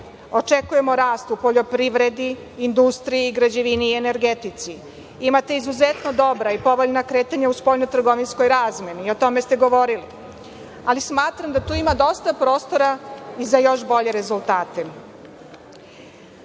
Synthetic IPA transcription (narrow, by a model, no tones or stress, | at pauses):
o̞t͡ʃekuje̞mo̞ɾaːst̪upo̞ʎo̞pɾiʋɾe̞d̪iː | nd̪ust̪ɾijiːɡɾad͡ʑeʋiniːene̞ɾɡet̪it̪si | imat̪e̞izuzet̪no̞d̪o̞bɾaipo̞ʋoʎnakɾe̞ːt̪aɲauspo̞ʎnot̪r̩ɡo̞ʋinsko̞jɾaːzmʲjeniːo̞t̪o̞me̞st̪e̞ɡo̞ʋo̞ɾili | alismaːt̪ɾamd̪at̪uːimad̪o̞st̪apɾo̞ːst̪o̞ɾaizajo̞ʃbo̞ʎe̞ɾe̞zulˠt̪aːt̪e